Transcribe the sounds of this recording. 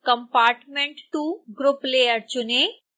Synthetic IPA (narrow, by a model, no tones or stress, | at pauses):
kɐmpaːɾʈmeɳʈʈuɡɾupleːjəɾt͡ʃune